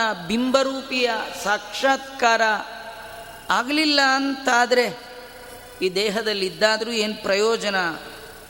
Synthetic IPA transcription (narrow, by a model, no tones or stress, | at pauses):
ɐbimbɐɾuːpijɐsaːkʂaːt̪kaːɾɐ | aːɡlilːɐːnt̪aːd̪ɐɾe̞ | iːd̪ɛːɦɐd̪ɐlːid̪ːaːd̪ɐɾuːeːnpɾɐjɔːd͡ʒɐnɐ